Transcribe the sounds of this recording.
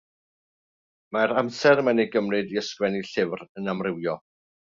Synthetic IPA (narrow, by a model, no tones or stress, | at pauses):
maɾamsɛɾmanejɡəmrɨdiəskwɛniɬɪvrənamrɪwjɔ